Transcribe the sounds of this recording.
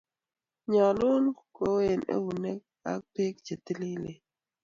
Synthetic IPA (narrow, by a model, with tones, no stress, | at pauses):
ɲa˨lu˦n˦˨ko˨we˦˨nʔḛ˦wu˨ne˦k̚a̰˦k̚pe˦k̚d͡ʒe˨ti˦li˦le˨